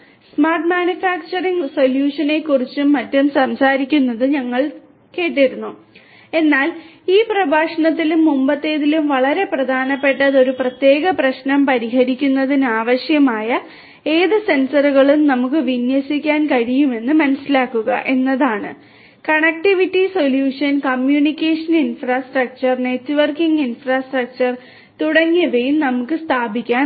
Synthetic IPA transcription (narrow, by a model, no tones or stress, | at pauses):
smaːrʈ̚maːnjufaːk̚t͡ɕɐriŋɡso̞ljuːʂɐne̞kːurit͡ɕːumːɐtːumsɐmsaːɾikʲːunːɐðɨɲɐŋːɐɭ | ke̞ːʈ̬ːiɾunːu | e̞nːaːl | iːprɐbʱaːʂɐɳɐt̪ːilumːumbɐt̪ːe̞ːðilumʋɐɭɐɾe̞prɐd̪ʱaːnɐpːe̞ʈːɐðo̞ɾuprɐt̪je̞ːɣɐprɐɕnɐmpɐɾiɦɐɾikʲːunːɐðinɨaːʋɐɕjɐmaːjɐ | e̞ːðɨse̞nsɐruɣɐɭumnɐmukːɨʋinjɐsikʲːaːnkɐɻijume̞nːɨmɐnɐsilaːkːuɣɐ̰ʔe̞nːɐðaːɳɨ̰ | kɐɳɐk̚ʈiʋitːiso̞ljuːʂɐnkɐmjuːnikʲːeʂɐninfraːsʈrɐk̚t͡ɕɐrne̞tːuʋɐrkiŋɡinfraːsʈrɐk̚t͡ɕɐr | t̪uɽɐŋːiʋejumnɐmukːɨst̪ʰaːbʱikʲːaːn